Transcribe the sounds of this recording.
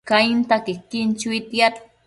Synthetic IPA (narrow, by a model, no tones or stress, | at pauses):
kaint̪akɪkɪnt͡ʃuit̪jat̪